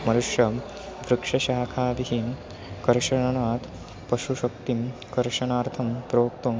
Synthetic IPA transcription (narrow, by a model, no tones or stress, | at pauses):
mɐnuʂjɐ | ʋɾukʂɐʃaːkʰaːʋiɦim | kɐɾʂɐɳɐnaːt̪ | pɐʃuʃɐkt̪imkɐɾʂɐnaːɾt̪ʰɐmpɾoːk̚t̪om